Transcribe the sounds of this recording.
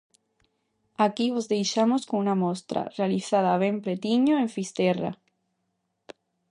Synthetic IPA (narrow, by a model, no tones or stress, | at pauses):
akiβozðe̞jʃamoskoŋunamost̪ɾa̰realiθað̞aːβ̞empɾet̪iɲoeɱfist̪era̰